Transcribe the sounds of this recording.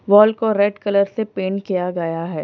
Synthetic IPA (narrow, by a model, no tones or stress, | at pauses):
ʋɔːlkoɾɛːɖkɐləɾsepeːɳkijaɡɐjaɦɛː